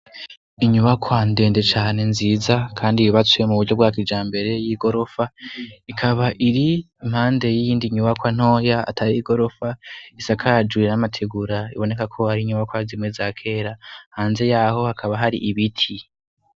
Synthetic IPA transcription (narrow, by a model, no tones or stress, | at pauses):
iɲuβakʰwande̞ːnde̞t͡ʃaːne̞nziːzakʰaːndijiβat͡sujemuβuɾɟobɡaːkid͡ʒaːmbe̞ɾe̞jiːɡo̞ɾo̞faikʰaβaʔiɾi | im̥haːnde̞jijiːndiɲuβakwan̥o̞ːjaa̰tʰajiɡo̞ɾo̞faisakʰad͡ʒwinamatʰeɡuɾaḭβo̞ne̞kakʰo̞haɾiɲuβakwazimŋwezaːkʰe̞ːɾahaːnze̞jaːho̞hakʰaβaɦaɾḭʔiβitʰi